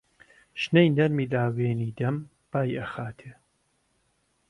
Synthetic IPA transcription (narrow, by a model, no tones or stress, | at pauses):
ʃnejnɐɾmiːlaːweːniːd̪ɐm | b̥aːjɐxaːt̪ʰeː